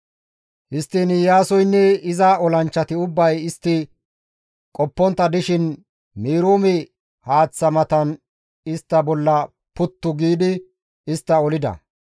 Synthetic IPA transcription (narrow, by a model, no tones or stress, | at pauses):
hɪst̪ːɪnjaːsɔjnːɛɪzɐɔlɐnt͡ʃːɐt̪ɪʊbːɐjɪst̪ːɪ | kʼɔpːɔnt̪ːɐd̪ɪʃɪn | miːɾuːmɪ | haːt͡sːɐmɐt̪ɐn | ɪst̪ːɐbɔlːɐ | pʊt̪ːʊɡiːd̪ɪ | ɪst̪ːɐɔlɪd̪ɐ̰